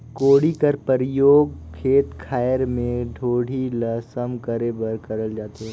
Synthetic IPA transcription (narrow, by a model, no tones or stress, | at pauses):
koːɽikɐɾpəɾjoːɡkʰeːt̪kʰaːjəɾmẽɖʱoːɽ̤ʱilɐsəmkəɾeːbəɾkɐɾəld͡ʒaːt̪eɦɛ̃